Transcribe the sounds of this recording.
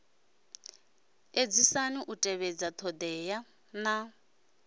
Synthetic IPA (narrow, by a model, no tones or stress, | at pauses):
ed͡zisaniʔutʼɛβɛd͡zat̪ʰɔd̪ɛːja | na